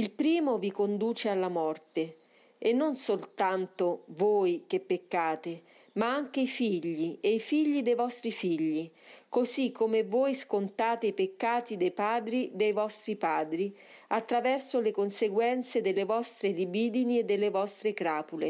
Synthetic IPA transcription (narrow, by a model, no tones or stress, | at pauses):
ilpɾiːmovikond̪uːt͡ʃealːamɔrt̪e | enːonsolt̪ant̪ovoːjk̟epːekːaːt̪e | maaŋk̟eifiʎːieifiʎːid̪ejvɔst̪ɾifiʎːikozikʰːomevoːjskont̪aːt̪eipekːaːt̪id̪ejpaːd̪ɾid̪ejvɔst̪ɾipaːd̪ɾi | at̪ːɾavɛrsolekonseɡwɛnt̪sed̪elːevɔst̪ɾelibiːd̪inied̪ːelːevɔst̪ɾekɾaːpule